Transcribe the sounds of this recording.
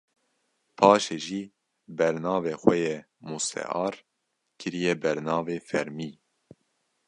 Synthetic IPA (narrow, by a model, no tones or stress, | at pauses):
pʰɑːʃeːʒiː | bɛɾnɑːveːxwɛje | musɛ̰ʔɑːɾ | kʰɨɾijɛbɛɾnɑːveːfɛɾmiː